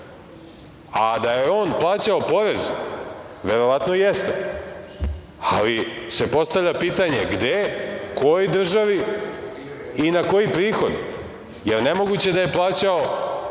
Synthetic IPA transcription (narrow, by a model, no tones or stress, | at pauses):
ad̪ajeo̞ːnplˠaːt͡ɕaopo̞ɾe̞z | ʋe̞ɾo̞ʋat̪nojest̪e | a̰lise̞po̞st̪avlʎapiːt̪aɲe̞ɡd̪eko̞jojd̪r̩ʒaʋi | inako̞jipɾiːxo̞d̪ | jeɾne̞mo̞ɡut͡ɕe̞d̪aje̞plˠaːt͡ɕao